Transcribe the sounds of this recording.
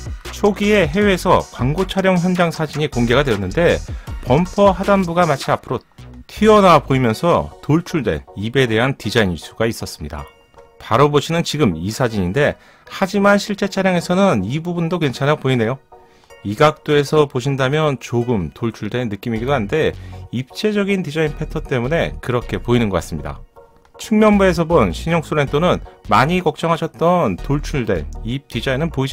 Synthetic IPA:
t͡ɕʰoɡie̞ɦe̞we̞sʰʌ̰kwaŋɡot͡ɕʰaɾjʌŋçjʌnd͡ʑaŋsʰad͡ʑiɲikoŋɡe̞ɡadwe̞jʌnːɯnde̞pʌmpʰʌɦadanbuɡamat͡ɕʰiapʰɯɾotʰiʌnapoimjʌnsʰʌtoɭt͡ɕʰuɭdwe̞̰nibe̞de̞ɦantid͡ʑainsʰuɡais͈ʌs͈ɯ̥mɲida̰ | paɾoboɕʰinɯnt͡ɕiɡɯmisʰad͡ʑiɲinde̞ | had͡ʑimanɕʰiɭt͡ɕ͈e̞t͡ɕʰaɾjaŋe̞sʰʌnɯnibubundoke̞nt͡ɕʰanak̚poine̞jo | iɡak̚t͈oe̞sʰʌpoɕʰindamjʌnt͡ɕoɡɯmtoɭt͡ɕʰuɭdwenːɯk͈imiɡidoɦande̞ip̚t͡ɕ͈e̞d͡ʑʌɡintid͡ʑainpʰetʰʌt͈e̞mune̞̰kɯɾʌkʰe̞poinɯnɡʌk͈as͈ɯmɲida̰ | t͡ɕʰuŋmjʌnbue̞s̬ʰʌbonɕʰiɲʌŋs͈ʰoɾe̞ntʰonɯnmaɲikʌk̚t͡ɕ͈ʌŋɦaɕʰʌt̚t͈ʌntoɭt͡ɕʰuɭde̞̰nitid͡ʑainɯnpoid͡ʑ

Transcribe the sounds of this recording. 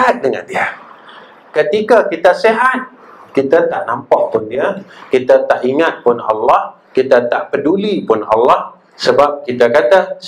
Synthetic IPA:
at̪̚dəŋa̰ndia | kət̪ikakit̪aseɦat̪̚ | kit̪at̪aʔnampaʔpʊndiakit̪at̪aʔiŋat̪̚pʊnɑ̰lːah | kit̪at̪aʔpədulipʊnɑ̰lːah | səbap̚kit̪akat̪a

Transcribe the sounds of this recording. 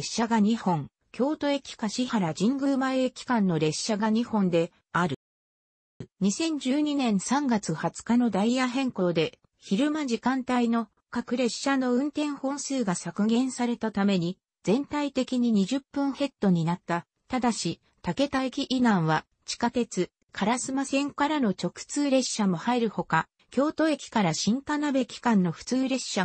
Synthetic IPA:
ɕːaɡaɲ̟ihõ̞ŋ | kʲo̞ːt̪o̞e̞kʲi̥kaɕihaɾad͡ʑĩŋɡɯ̟ːmaekʲi̥kãnːo̞ɾe̞ɕːaɡaɲ̟ihõ̞nd̪e̞ | aɾɯ̟ | ɲ̟isẽ̞ɲ̟d͡ʑɨːɲ̟inẽ̞ɰ̃sãŋɡat͡sɨhat͡sɨ̥kano̞d̪aijaɦẽ̞ŋko̞ːd̪e̞ | çiɾɯ̟maʑikãnt̪aino̞ | kakɯ̟ɾe̞ɕano̞ɯ̟̃nt̪ẽ̞ɰ̃hõ̞ːsɨːɡasakɯ̟ɡẽ̞ɰ̃saɾe̞t̪at̪ame̞ɲ̟i | d͡zẽ̞nt̪ait̪e̞kʲiɲ̟iɲ̟iʑɨpːɯ̟̃ɰ̃he̞t̪ːo̞ɲ̟inat̪ːa | t̪ad̪aɕi | t̪ake̞t̪aekʲiʔinãɰ̃βa | t͡ɕi̥kat̪e̞t͡sɨ | kʰaɾasɨmasẽ̞ŋkaɾanot͡ɕo̞kɯ̥t͡sɨːɾe̞ɕːamo̞haiɾɯ̟ho̞ka | kʲo̞ːt̪o̞e̞kʲi̥kaɾaɕĩŋt̪anabe̞kʲi̥kãnːo̞ɸɯ̟̥t͡sɨːɾe̞ɕa

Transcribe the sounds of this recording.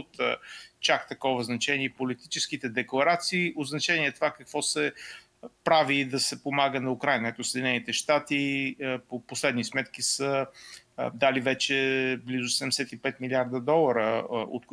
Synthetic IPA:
t̪t͡ʃak̚t̪ɐkɔvəznɐt͡ʃɛniɛpolit̪it͡ʃɛskit̪ɛd̪ɛklˠɐɾat̪siːod̪znɐt͡ʃɛniɛt̪ovakɐkvɔsɛ | pɾavid̪ɐsɛpomaɡənɐukɾajnəɛt̪osɛd̪inɛnit̪ɛʃt̪at̪ipoposlɛd̪nismɛt̪kisə | d̪alivɛt͡ʃɛblizʊsɛd̪ɛmɛsɛt̪ipɛt̪miliaɾd̪əd̪ɔlˠɐɾəo̰t̪k

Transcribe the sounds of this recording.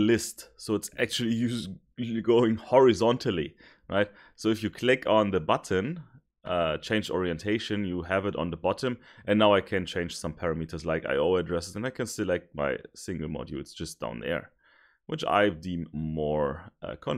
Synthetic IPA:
lɪstsoʊɨtsæ̰k̚t͡ʃul̩ˠijʉz | ɡoʊɪ̃ŋhɔɹɨzɑ̃ntʰəl̩ˠḭ | ɹʔa̰ɪt̚ | soʊɨfjɨkʰl̥ɪkʰn̩ðəbʌtn | ʔʌt͡ʃʰẽɪ̃nd͡ʒɔ̰ɹiɨ̃ntʰeɪʃɨ̃njɨævɨɾn̩ðəbɑɾə̃mʔɨ̃nːaʊaɪkʰɨ̃nt͡ʃʰẽɪ̃nʒ̥sʌ̃mpʰɛɹɨmitʰə˞slaɪka̰ɪɔlˠədɹɛsɨtɨ̃naɪkʰɨ̃nsɨlɛk̚t̚ma̰ɪsɪ̃ŋɡl̩ˠmɔ̰djṵɨtsd̥ʒ̥ʌsd̥ã̰ʊ̃nðə̰˞ | wʔɨt͡ʃa̰ɪdĩmmɔɹʔʌ̰kʰɔ̃n

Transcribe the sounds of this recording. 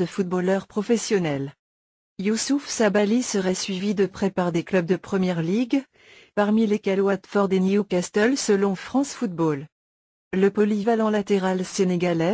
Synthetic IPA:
d̪əfut̪̚bolœʁpχɔfɛsjɔnɛl | jusufsabalisəʁɛsɥivid̪əpχɛpaʁd̪eklœb̚d̪əpχəmjɛʁliɡ | paʁmilekʲɛlwat̪fɔʁd̪eniukast̪ɛlsəlɔ̃fχɑ̃sfut̪̚bol | ləpɔlivalɑ̃lat̪eʁalseneɡalɛ

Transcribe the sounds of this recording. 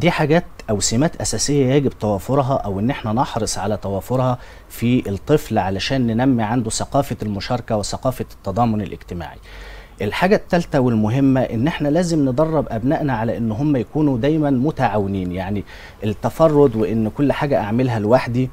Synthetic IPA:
d̪iːħaɡæːt̪ʔæwsimæːt̪ʔæsæːsejːæjæːɡebt̪æwæːfoɾˤɦɑʔæwʔenːʔeħnænɑħɾesˤʕalæt̪æwæːfoɾhɑ | fiet̪ˤːɨflʕalæʃæːnːenæmːiʕand̪usɑqɑːfælmʊʃɑːɾˤɑkæwesɑqɑːfɑt̪ːɑd̪ˤɑːmonḛlʔɪ̰ɡt̪ɪma̰ːʕḭ | ʔelħaːɡæt̪ːælt̪æwelmʊɦemːæʔenːʔeħnælæːzemned̪ˤɑrˤːɑbʔæbnæːʔnæʕalæʔenːɦomːæjækuːnud̪æːjmænmʊt̪aʕawːeniːnjaʕni | ʔet̪ːæfɑrˤːod̪weʔɪnːkolːħaːɡæʔaʕmelɦælwaħd̪i

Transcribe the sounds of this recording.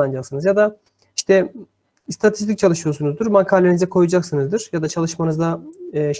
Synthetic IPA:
and͡ʒaksɯnɯzjad̪a | i̥ʃt̪ʰɛ | st̪ʰat̪ʰi̥st̪ʰic̚t͡ʃʰalˠɯʃɯjo̞sunuzd̪uɾmaŋkʰaːlʲenizɛkʰo̞jud͡ʒaksɯnɯzd̪ɯɾ̥jad̪at͡ʃʰalˠɯʃmanɯzd̪aːʃ

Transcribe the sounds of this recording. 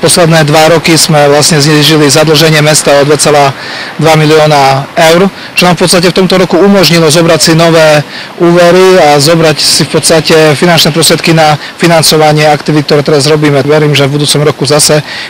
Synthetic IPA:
pɔslɛd̪nɛːd̪ʋaɾɔkizmɛʋlasɲɛzɲɛʒilizad̪l̩ʒɛɲɪɛmɛst̪aɔd̪ʋɛt͡sɛlaːd̪ʋamiliɔːnaɛʊɾ | t͡ʃɔnaːmfpɔt̪st̪acɛft̪ɔmt̪ɔɾɔkuumɔʒɲilɔzɔbɾacsinɔʋɛː | uːʋɛɾiazɔbɾacsifpɔt̪st̪acɛfinant͡ʃnɛːpɾɔst̪ɾɪɛt̪̚kina | finant͡sɔʋaɲɪɛakt̪iʋit̪kt̪ɔɾɛːt̪ɛɾazɾɔbiːmɛʋɛɾiːmʒɛvbud̪uːt͡sɔmɾɔkuzasɛ

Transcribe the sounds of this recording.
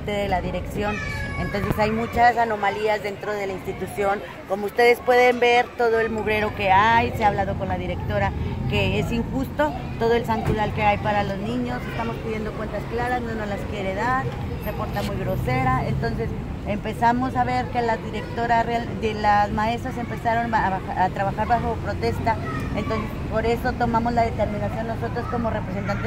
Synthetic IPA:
t̪eðe̞laðiɾe̞ksjo̞ne̞nt̪o̞ns̬e̞sajmut͡ʃasano̞maliazðe̞nt̪ɾo̞ðe̞lainst̪it̪usjo̞ŋ | ko̞moust̪e̞ðe̞spwe̞ðe̞mbe̞ɾt̪o̞ðo̞e̞lmuβɾe̞ɾo̞ke̞ajseaːβlað̞o̞ko̞nlaðiɾe̞kt̪o̞ɾake̞esiŋxust̪o̞ | t̪o̞ð̞o̞e̞lsaŋɡɾuðalke̞ajpaɾalo̞znĩɲo̞se̞st̪amo̞spiðje̞nd̪o̞kwe̞nt̪asklaɾaznono̞laskje̞ɾe̞ðaɾ | sepo̞ɾt̪amujɣɾo̞se̞ɾaent̪o̞nse̞s | empe̞samo̞saβe̞ɾkelazðiɾe̞kt̪o̞ɾareald̪elazmae̞st̪ɾase̞mpe̞saɾo̞na | at̪ɾaβaxaɾβaxo̞pɾo̞t̪e̞st̪a | ent̪onsepo̞ɾe̞so̞t̪o̞mamo̞zlaðe̞t̪e̞ɾmĩnasjo̞nːo̞so̞t̪ɾo̞sko̞more̞pɾes̬ent̪ant̪e

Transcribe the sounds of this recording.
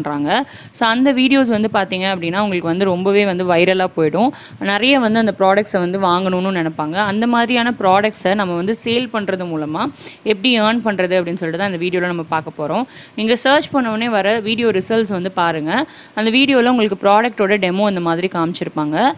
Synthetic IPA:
ɳɾaːŋɡɐ | soːɐnd̪ɐʋiːɽɪjoːs̬ʋɐnd̪ɯpaːɾt̪iːŋɡɐɐp̬ːɐɽɪŋnːaːʊŋɡɐɭɯkːɯʋɐnd̪ɯɾɔmbɐʋeːʋɐnd̪ɯʋɐɪɾɐlaːpoːjɪɽʊ̃ | nɪɾɐjɐʋɐnd̪ɯɐnd̪ɐpɾaːɽɐkʈsʋɐnd̪ɯʋaːŋɡɐɳɯnːʊnɛnɛpːaːŋɡɐːnd̪ɐmaːðɪɾɪjaːnɐpɪɾaːɽɐk̚ʈsɐnɐmːɐʋɐnd̪ɯseːlpɐɳːɾɐðɯmuːlɐmaːɛpːɐɽiɐːnpɐɳɾɐðɯɐpːɐɽɪnːɯsɔlːɪʈːɯt̪ãːɪnd̪ɐʋiːɽɪjoːlɐ̃nɐmːɐpaːɾkɐpːoːɾõː | niːŋɡɐsɐːɾt͡ʃpɐɳːɐʋɐneːʋɐɾɐʋiːɽɪjoːɾɪsɐlsʋɐnd̪ɯpaːɾɯŋɡɐ | ɐnd̪ɐʋiːɽɪjoːlɐ̃ʊŋɡɐɭɯkːɯpɪɾaːɽɐk̚ʈoːɽɐɖɛmoːɛnd̪ɐmaːðɪɾikaːmt͡ʃːɪɾɯpːaːŋɡɐ

